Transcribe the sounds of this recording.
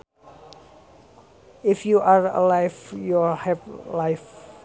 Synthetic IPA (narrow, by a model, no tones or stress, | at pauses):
ifjuʔaɹə̰lajvjulhɛvlajf